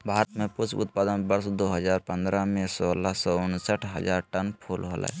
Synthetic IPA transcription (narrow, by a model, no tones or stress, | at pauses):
bʱaːɾət̪mẽpʊt͡ʃʰʊ̰t̪̚paːd̪ənbəɾsd̪oɦəd͡ʒaːɾpə̃nd̪ɾamesɔːlasɔʊnsəʈʰɦəd͡ʒaːɾʈənpʰoːlɦo̰l̰ɦɛ̰